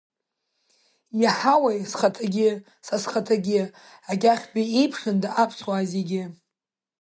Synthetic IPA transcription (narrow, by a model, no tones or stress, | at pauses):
jaħawajsχatʰaɡʲɪ | sasχatʰaɡʲɪ | aɡʲaχʲbiejpʰχʲɨndaʔapʰsʰwazeɡʲɪ